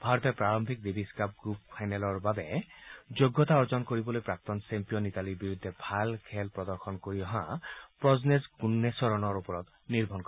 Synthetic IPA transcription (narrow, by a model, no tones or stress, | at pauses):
bʱaɹɔt̪ɛpɹaɹɔmbʱik̚d̪ibʱiskap̚ɡɹuppʰajnɛlɔɹbabɛd͡ʒoɡːɔt̪aɔɹzɔnkoɹibɔlojpɹak̚t̪ɔnsempijɔnitaliɹbiɹud̪ʱːɛbʱalkʰɛlpɹɔd̪ɔɹxʰɔnkoɹiɔɦãpɹɔznezɡunːesɔɹɔnɔɹupɔɹɔt̪ | niɹbʱɔnkɔ